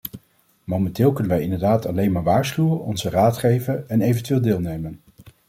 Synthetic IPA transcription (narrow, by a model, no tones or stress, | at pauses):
mowmɛntɪːlˠkɵnənʋɛjɪndəɹdaːtɑlejnmaːɹʋaːɹsχywənɔ̰nzəraːtχejvənɛnejvəntyʋeːlˠdɪːlˠnejmən